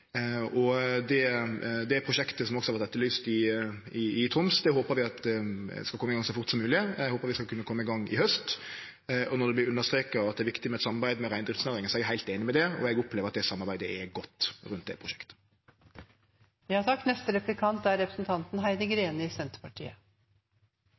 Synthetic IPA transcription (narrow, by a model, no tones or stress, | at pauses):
ɔd̪ɛd̪ɛæɾpʰɾʊʃɛkt̪əsɔmɔksɔhɑɾæʁt̪ɛt̪ːəlyːst̪ɪ | ɪːt̪ʰɾʊmsd̪ɛhoːpəɾʋɪɑt̪d̪ɛskɑlkɔmːɪɡɑŋsɔfʊɾt̪sɔmːʉːlɪɛhoːpəɾʋɪskɑlkʉnːəkʰɔmːəɪɡɑŋːɪ̰hœst̪ | ɔnɔd̪ɛblɪɾʉnːəst̪ɾeːkɑɑt̪d̪ɛɾʋɪkt̪ɪmɛɛt̪sɑmːɑɾbæɪd̪əmɛɾæɪnd̪ɾɪft̪snæːɾɪŋəsɔɛɡæɾhæɪt̪eːnɪmɛd̪ɛɔ̰ɛɡʊpleːʋɾɑt̪̚d̪ɛsɑmːɑɾbæɪd̪əɛɡɔt̪ːɾʉnt̪̚d̪ɛ̰pʰʁʊʃɛ̥kt̪ə̥ | ʋɪhɑsɑk̚t̪nɛst̪əɾɛplɪkʰɑnt̪æɾɛpɾəsn̩t̪ʰɑnt̪n̩ɦæɪd̪əɡɾeːnəɪsɛnt̪ə̥pʰɑʈʰḭːə